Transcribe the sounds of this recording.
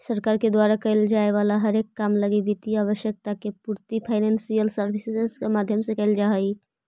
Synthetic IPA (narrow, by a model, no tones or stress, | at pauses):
səɾkaːɾked̪waɾakəɪld͡ʒaeʋalaɦəɾeːkːamləɡibit̪iaʋəʃjək̚t̪akepuɾt̪ipʰaːɪnensijəlsəɾbʱiseseskemad̪ʱjəmsekəɪld͡ʒaɦəi